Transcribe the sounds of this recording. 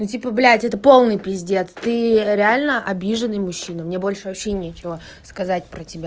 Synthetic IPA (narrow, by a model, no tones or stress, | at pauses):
nutʲipəblʲætʲɛt̪əpo̞lˠnɨjpʲɪzʲdʲe̞t̪st̪ɨɾʲɪalʲnəʔɐbʲiʐɨnɨjmʊɕːinəmnʲebo̞lʲʂɨvɐpɕːenʲet͡ɕɪvə | skɐzatʲpɾətʲɪbʲa